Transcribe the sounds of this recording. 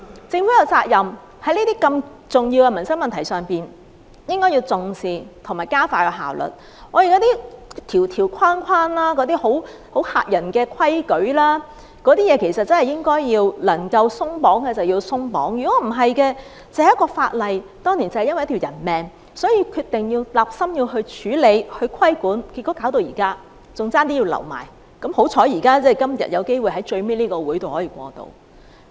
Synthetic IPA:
t͡sɪ˧ŋfu˨˥jɐ˨˧wt͡saː˧k̚jɐ˨m | hɐ˨˥jniː˥t̪iː˥kɐ˧m | t͡sʊ˨˩ŋjiː˧wkɛ˧mɐ˨˩nsɐ˥ŋ̚mɐ˨nt̪ʰɐ˨˩jsœː˨ŋpiː˨n | jɪ˥ŋkɔ˥jiː˧wt͡sʊ˨ŋsiː˨t̪ʰŋmaː˨˩jkaː˥faː˧jɔ˧ɦa̰ː˨˩wlɵ̰˨t̚ | ʔɔː˨˧ji˨jɔ˨˥t̪iː˥t̪ʰiː˨˩wt̪ʰiː˨˩wkʷʰwaː˥nkʰaː˥nlaː˥kɔː˨˥t̪iː˥ho˨˥w | ho˨˥wha̰ː˧t̚jɐ˨˩nkɛː˧kʷʰɐ˥jkɵ˨˥ɥlaː˥ | kɔː˨˥t̪iː˥jɛː˨˧kʰe˨˩sɐ˨t̚t͡sɐ˥nhɐ˨˩jɪ˥ŋkɔː˥jjiː˧wlɐ˨˩ŋkɐ˧wsʊ˥ŋpɔː˨˥ŋkɛː˧t͡sɐ˨wji˧wsʊ˥ŋpɔ̰ː˨˥ŋjyː˨˩kɔ˨˥m̩˨˩ɦɐ˨jkɛː˧ | t͡sɛ˨˧˦jɐ˥kːɔː˧faː˧t̚lɐ˨jt̪ɔː˥ŋniː˨˩nt͡sɐ˨˩hjɐ˥nwɐ˨jt̪ʰi˨˩wjɐ˨˩nmɛː˨˩ŋ | sɔː˨˥jiː˧kʰyː˧t̚t̪ɪ˨ŋjiː˧wlaː˨p̚sɐ˥mjiː˧wɦɵ˧ɥt͡ʃʰyː˨˥le˨˧jhɵ˧kʷʰɐ˥jkuː˨˥nki˧t̚kːɔː˨˥kaː˨˥wt̪̬o˧wjiː˨˩kaː˥ | t͡sʊ˨˧ŋt͡saː˥nt̪iː˥jiː˧wlɐ̰˨˩wma̰ː˨˩j | kɐ˨˥mho˨˥wt͡sʰɔː˨˥jiː˨˩kaː˥t͡sɛ˥˩jkɐ˥mjɐ̰˨t̚jɐ˨˧wke˥jwu˨jɦɐ˨˥jt͡ʃɵ˧ɥmeː˥niː˥kɔː˧wuː˨˥jt̪o˨whɔː˨˥jiː˨˧kʷɔ̰ː˧t̪o̰˧w

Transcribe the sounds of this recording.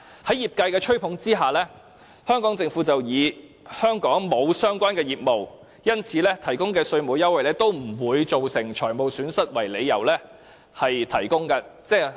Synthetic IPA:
hɐ˨˥jiː˨p̚kɐ˧jkɛː˧t͡ʃʰɵ˥ɥpʰʊ˨˥ŋt͡siː˥ɦaː˨lɛː˥ | hœː˥ŋkɔː˨˥ŋt͡sɪ˧ŋfuː˨˥t͡sɐ˨wjiː˨˧ | hœː˥ŋkɔː˨˥ŋmo˨˧wsœː˥ŋkʷaː˥nkɛː˧jiː˨t̚mo˨˩w | jɐ˥nt͡sʰiː˨˥lɛː˥t̪ʰɐ˨˩jkʊ˥ŋkɛː˧sɵ˧ɥmoː˨˧wjɐ˥wɐ˨jlɛː˥t̪o˥wm̩˨˩wuː˨˧jt͡so˨wsɪ˨˩ŋt͡ʃʰɔː˨˩jmo˨˧wsyː˨˥nsɐ˥t̚wɐ˨˩jle˨˧jjɐ˨˩wlɛː˥ | hɐ˨jt̪ʰɐ˨˩jkʊ˥ŋkɐː˧t͡sɛː˥˩

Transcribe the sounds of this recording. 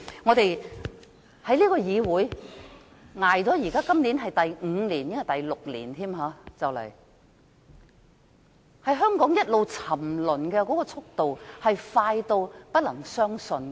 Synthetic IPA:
ŋɔː˨˧t̪e˨j | hɐ˨˥jliː˥kɔː˧jiː˨˧wuː˨˥j | ŋaː˨˩jt͡sɔː˨˥jiː˨˩kaː˥kɐ˥mliː˨˥nɦɐ˨jt̪ɐ˨jŋ̩˨˧liː˨˩njɪ˥ŋɐ˨˩t̪ɐ˨jlʊ˨k̚lḭː˨˩nt̪ʰiː˥mɦaː˨˧˥t͡sɐ˨wlɐ̰˨˩j | hɐ˨jɦœː˥ŋkɔː˨˥ŋjɐ˥t̚lo˨˧wt͡sʰɐ˨˩mlɵ˨˩nkɛː˧kɔː˨˥kɔː˧t͡sʰʊ˥k̚t̪o˨whɐ˨jfaː˧jt̪o˧wpɐ˥t̚lɐ˨˩ŋsœː˥ŋsɵ˧n

